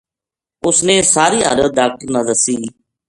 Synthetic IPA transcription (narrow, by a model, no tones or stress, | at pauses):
ʊsneːsaːɾiːə̰ɾəɖaːk̚ʈəɾnaːd̪əsiː